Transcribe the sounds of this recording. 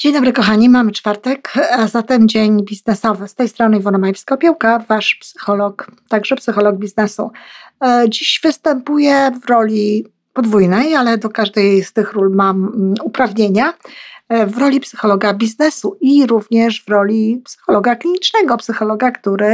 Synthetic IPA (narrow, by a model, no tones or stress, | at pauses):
d͡ʑ̥eɲd̪ɔbɾɘkɔxaɲimamt͡ʂfaɾt̪ɛkzat̪ɛmd͡ʑeɲbʲiznɛsɔvɘst̪ɛjst̪ɾɔnɘivɔnɔmajɛfskapʲjɛwkavaʂpsɘ̥xɔlɔkt̪aɡʐɛpsɘxɔlɔɡ̚bʲiznɛsṵ | d͡ʑiɕvɘst̪ɛmpujɛvɾɔlʲi | pɔd̪vujnɛjalɛd̪ɔkaʐd̪ɛjst̪ɘxɾulmamupɾavɲeɲa | vɾɔlʲipsɘ̥xɔlɔɡabʲiznɛsuiɾuvɲɛʂvɾɔlʲipsɘ̥xɔlɔɡaklʲiɲit͡ʂnɛɡɔpsɘxɔlɔɡakt̪uɾɘ